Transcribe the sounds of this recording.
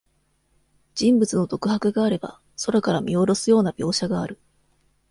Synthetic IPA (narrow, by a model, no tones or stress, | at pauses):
d͡ʑ̥ĩmbɯt͡sɨno̞t̪o̞kɯ̟hakɯ̟ɡaːɾe̞ba̰ | so̞ɾakaɾamʲio̞ɾo̞sɨjo̞ːnabʲo̞ːɕaɡaːɾɯ̟